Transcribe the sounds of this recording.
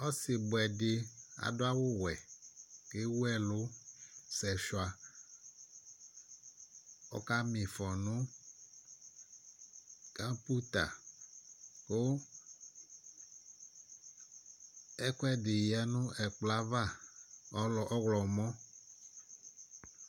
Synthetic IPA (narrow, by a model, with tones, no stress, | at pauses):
ɔ˦sɪ˨bʊ˨ɛ˨dɪ˨a̰˨dʊ˦a˦wo˦wɛ˨ke˦wu˦ɛ˦lo˦sɛ˨ʃwa˨ | ɔ̰˦ka˦mĩ˨fɔ˨nʊ̃˦ | kã˦pu˦t̪a̰˨ | ko˦ | ɛ˦kʊ˦ɛ˦dɪ˨jɛ˨˦nʊ̃˦ɛ˨k͡pla˦va˦˨˦ | ɔ˦ɣlɔ˨mɔ̃˦